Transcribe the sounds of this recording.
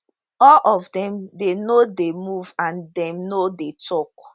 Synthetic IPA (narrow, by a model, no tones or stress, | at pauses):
ɔlʔɔvdɛ̃mdenodemuvãndɛ̃mnodetʰɔk